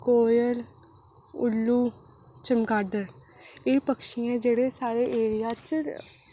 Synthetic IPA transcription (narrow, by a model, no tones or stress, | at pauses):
koːjəl | ʊ̰lːuː | t͡ʃəmɡaːd̪əɾ | eːpəkʃɪjãːd͡ʒeːɽesaːɾeːʔeːɾɪjaːt͡ʃ